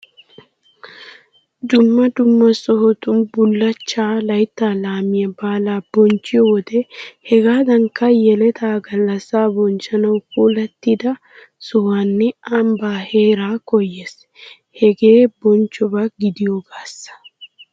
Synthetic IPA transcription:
d̪ʊmːɐd̪ʊmːɐsɔɦɔt̪ʊnbʊlːɐt͡ʃːaːlɐjt̪ːaːlaːmɪjɐbaːlaːb̥ɔnt͡ʃːɪjɔwɔd̪ɛhɛɡaːd̪ɐŋkːɐjɛlɛt̪ʰaːɡɐlːɐsːaːbɔnt͡ʃːɐnɐwpuːlɐt̪ːɪd̪ɐ | sɔwaːnːɛɐmbaːheːɾaːkɔjːes | hɛɡe̞ːbɔnt͡ʃːɔbɐɡɪd̪ɪjɔɡaːsːɐ̥

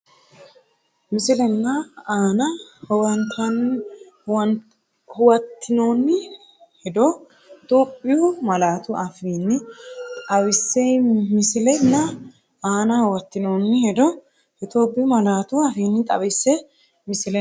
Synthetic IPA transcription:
mɪsɪlɛnːɐaːnɐhwɐnt̪ʰɐn | wɐ | hʊwɐt̪ʰːɪnoːnːɪ | hɛd̪ɔ | t̪oːpʼːɪjʊmɐlaːt̪ʊʔɐfiːnːɪtʼɐwɪsːejmɪsɪlɛnːɐ | aːnɐhʊwɐt̪ːɪno̞ːnːɪhɛd̪ɔ | ɪt̪oːbɪmɐlaːt̪ʊɐfiːnːɪt̪ʼɐwɪsːɛ | mɪsɪlɛ

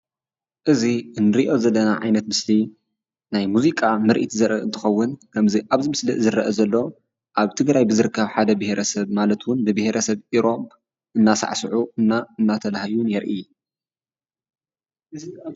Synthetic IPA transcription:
ʔɨziɨnːɨɾiʔo̞zɐlːɐnaʕa̰jnɐt̪mɨsli | najmuzikʼamɨɾʔḭt̪ʰzɐɾʔɐʔɨnt̪ʰɨ̥xɐwːʊnkʰɐmziʔaβzɨmɨslḭzɨɾɐʔɐzɐlːo | ʔaβt̪ʰɨɡɾajbɨzɨɾɨkʰːɐβħad̪ɐbɨheɾʔɐsɐβmalɐt̪wʊnbɨbɨheɾʔɐsɐβʔiɾo̞b | ʔɨnːasa̰ʕsɨʕuɨnːaɨnːat̪ʰɐlahjunjɛɾʔij | ɨ

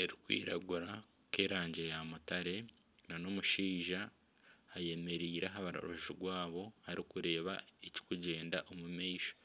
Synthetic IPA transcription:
eɾikwḭːɾaɡuɾa | ke̞ːɾaːɲɟe̞jamutaɾe̞ | nano̞muʃiːʒa | aje̞me̞ɾiːɾaɦaβaɾo̰ɾoʒiɡwaːβo̞haɾʔikuɾe̞ːβaeci̥kuɟe̞ːndaʔomumeːʃo̥

